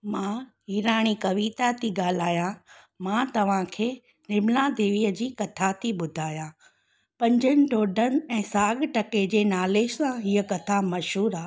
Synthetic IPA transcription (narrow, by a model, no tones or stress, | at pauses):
mãɦiːɾaːɽ̃ikɐʋiːt̪at̪ʰiɠaːl̤aːjã | mãt̪ɐʋ̤ãkʰeː | nɪmlad̪eːʋiəd͡ʑiːkɐt̪ʰat̪ʰiɓʊd̪ʱaːjã | pɐ̃ɲd͡ʑənɪ̆ʈoːɖʱənɪ̆ɛ̃ːsaːɡʈɐked͡ʑeːnaːleːʃsãɦiəkɐt̪ʰamɐʃɦuːɾaː